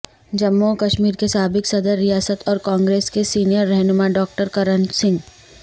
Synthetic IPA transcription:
d͡ʒɐmːokɐʃmiːɾkesaːbɪksɐd̪əɾːijaːsət̪ʰɔːɾkãːŋɡɾeːskesiːnijəɾːɛɦnʊmaɖɔːk̚ʈəɾkɐɾənsɪ̃ŋɡ

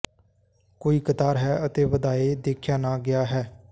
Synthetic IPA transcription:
koːiːkət̪aːɾɦɛːʔət̪eːʋəd̪aːeːd̪eːkʰjaːnaːɡɪjaːɦɛː

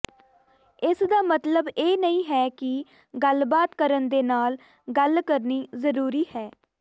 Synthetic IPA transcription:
ɪsd̪aːmət̪ləbeːnəĩːɦɛːkɪ | ɡəlbaːt̪kəɾənd̪eːnaːl | ɡəlkəɾniːzəɾuːɾiːhɛː

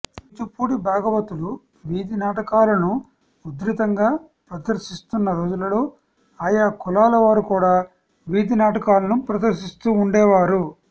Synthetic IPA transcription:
it͡ʃupuːɽibʱaːɡɐʋɐt̪ulu | ʋiːd̪inaːʈɐkaːlɐnu | ud̪ɾit̪ɐŋɡaː | pɾɐd̪ɐɾʃist̪unːɐɾoːd͡ʒulɐloː | aːjaːkɔlaːlɐʋaːɾukuːɽaː | ʋiːd̪inaːʈɐkaːlɐnupɾɐd̪ɐɾʃist̪uːɳɖɛːʋaːɾu

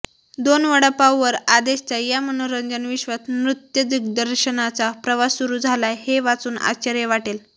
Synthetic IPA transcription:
d̪onʋəɽapawʋəɾad̪eɕt͡sajam̤əɽ̃unɾəɲd͡zənʋiɕʋat̪mɾut̪jəd̪ik̚d̪əɾɕənat͡sapɾəʋasuɾuːd͡zʱalaheʋat͡suːna̰t͡ɕaɾjeʋaʈel

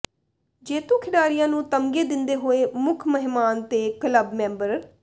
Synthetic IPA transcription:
d͡ʒeːt̪ũːkʰɪɖaːɾijãːnũːt̪əmɡeːd̪ɪnd̪eːɦoːeːmʊkʰməɦɪmaːnt̪eːkələbmɛ̃ːmbəɾ

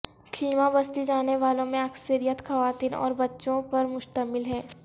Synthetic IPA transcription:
kʰiːmabɐst̪id͡ʒaːneʋaːlõmẽɐksəɾijət̪xɐʋaːt̪iːnɔ̰ːɾbɐtːʃõpɐɾmʊʃt̪əmɪlɦɛ̃ː

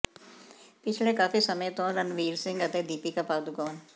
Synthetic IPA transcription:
pɪt͡ʃʰlekaːfisəmẽt̪õːɾənʋiːɾsɪ̃ŋɡət̪eːd̪iːpikapaːd̪ʊkɔːn

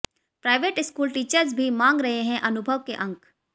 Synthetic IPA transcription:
pɾaːɪʋeːʈɪskuːlʈiːt͡ʃəɾzbʱimãːŋɡɾɐɦeɦɛ̃ʔɐnʊbʱəʋkeʔɐ̃ŋk

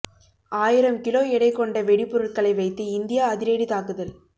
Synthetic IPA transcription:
ʔaːjɪɾɐmkɪloːɛɽɐɪkːɔɳɖɐʋɛɽɪpːʊɾɐʈkɐɭɐɪʋɐɪt̪ːɯɪnd̪ɪjaːðɪɾeːɽit̪aːkɯðɐl

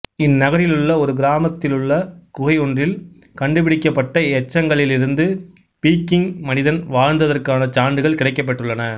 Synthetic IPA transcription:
ɪnːɐɣɐɾɪlɯɭːɐɔɾɯɡɪɾaːmɐt̪ːɪlɯɭːɐkʊɣɐjɔɳdrɪl | kɐɳɖɯpɪɽɪkːɐpːɐʈːɐɛt͡ʃːɐŋɡɐɭɪlɪɾɯnd̪ɯ | piːkːɪŋmɐnɪðɐnʋaːɻnd̪ɐðɐrkaːnɐt͡ʃaːɳɖɯɣɐɭkɪɽɐɪkːɐp̬ːɐʈːɯɭːɐnɐ

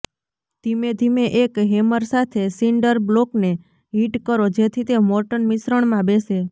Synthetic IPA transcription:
d̪ʱimed̪ʱimeʔekɦeməɾsat̪ʰesiɳɖəɾblokne | ɦiʈkəɾod͡ʒet̪ʰit̪emoɾʈənmisɾəɳmãbese

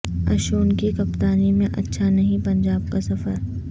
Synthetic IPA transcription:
ɐ̰ʃoːnkikɐpt̪aːnimẽʔɐtːʃʰanɐɦĩpɐ̃ɲd͡ʒaːb̚kasɐfəɾ

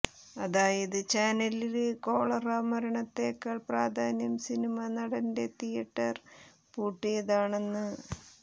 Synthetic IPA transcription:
ɐðaːjɐðɨt͡ɕaːnɐliɾeko̞ːɭɐraːmɐɾɐɳɐt̪ːeːkːɐɭpraːd̪ʱaːnjɐmsinimɐnɐɽɐnde̞t̪ijɐʈːɐr | puːʈːijɐðaːɳe̞nːɨ

